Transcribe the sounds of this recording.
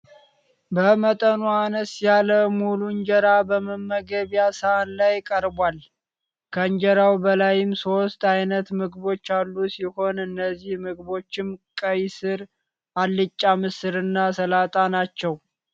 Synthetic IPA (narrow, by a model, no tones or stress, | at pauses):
bəmət̪ʼənuanəsjaləmuluɲd͡ʒəɾabəməmːəɡəβjasəʔanlajkʼəɾbʷal | kʰəɨɲd͡ʒəɾawbəlajɪmso̞st̪ajnət̪mɨɡβo̞t͡ʃːalːusiho̞nɨnːəzːihmɨɡbo̞t͡ʃːɪmkʼəjsɨɾ | ʔalːɨt͡ʃʼːamɨsɨɾɨnːasəlat̪ʼanat͡ʃːɛw